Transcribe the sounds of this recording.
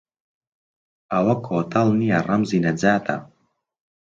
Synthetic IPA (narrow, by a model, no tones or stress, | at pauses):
ɐwɐkʰoːt̪ʰɐlˠnijɐrɐmzinɐd͡zaːt̪ʰɐ̰